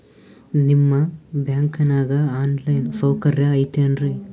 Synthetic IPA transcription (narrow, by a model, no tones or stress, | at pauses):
nimːɐbjaːŋkɐnaːɡɐaːnlɐjnsɐwkɐɾjɐːjt̪eɐnɾe